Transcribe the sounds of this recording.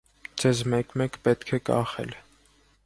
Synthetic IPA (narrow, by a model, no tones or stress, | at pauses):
d͡zɛzmɛkmɛkpɛt̪kʰɛkɑ̰χɛ̰l